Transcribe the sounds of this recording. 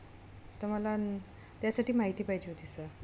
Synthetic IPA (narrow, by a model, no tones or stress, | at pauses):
t̪əɾməla | t̪jasaʈʰiːmaɦit̪iːpaɦid͡ʑiɦot̪isəɾ